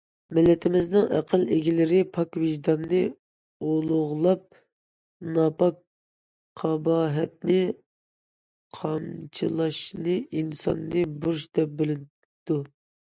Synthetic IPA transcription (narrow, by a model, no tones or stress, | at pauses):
mɪlːɪt̪ʰɪmɪznɪŋæ̰qʰəlˠeɡʲilɪɾɪpʰɑkvɪʒd̪ɑnːɨ | olˠʊʁlˠɑp̚ | nɑpʰɑk | qʰɑbɑːɦɛt̪̚nɪ | qʰɑmt͡ʃʰilˠɑʃnɨʔinsɑ̰nːɨbuɾʃd̪ɛp̚bɪlɪ | d̪̥u